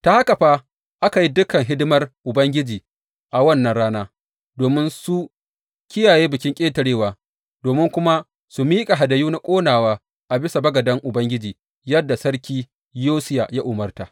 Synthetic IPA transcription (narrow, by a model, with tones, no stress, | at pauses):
ta˨ha˦ka˨ɸaː˦ | ʔa˦ka˨ji˦dʊ˦kɐ˨ŋɦɪ˦dɪ˦mɐ˦rʔʊ˨bɐ˦ŋɡʲɪ˦d͡ʒiː˨ | ʔa˨wɐ˦˨nːɐ˦nɽaː˦naː˦ | doː˨mɪ˦nsu˦ | kʲɪ˦jaː˨jeː˦bɪ˨kʲɪ˦ŋkʲʼeː˦tɐ˨ɽeː˦waː˨ | doː˨mɪ˦ŋkʷʊ˦ma˦ | su˨miː˦kʼa˨ɦa˨dɐ˨juː˦na˦kʷʼoː˦naː˨waː˦ | ʔa˨bɪ˦sa˨bɐ˦ɡɐ˨dɐ˦ŋʔʊ˨bɐ˦ŋɡʲɪ˦d͡ʒiː˨ | jɐ˦dːa˨sɐ˦ɽkʲiː˦ | joː˦sɪ˦ja˨ja˦ʔʊ˨mɐ˦rta˨ʔ